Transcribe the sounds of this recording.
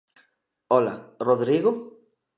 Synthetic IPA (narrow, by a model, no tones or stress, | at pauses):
ɔla̰roðɾiɣo